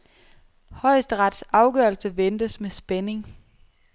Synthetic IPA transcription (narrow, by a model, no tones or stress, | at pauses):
hɒ̽ɪ̰sd̥əʁɑ̈d̥sɑ̈ʊɡ̥ɶɐlsəʋend̥əsmesb̥ene̝ŋ